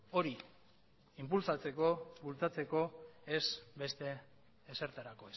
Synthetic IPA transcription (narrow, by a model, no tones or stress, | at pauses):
o̞ɾi | impulsat͡se̞ko̞βult͡sat͡se̞ko̞e̞sbe̞st̪e̞ː | se̞ɾt̪aɾako̞es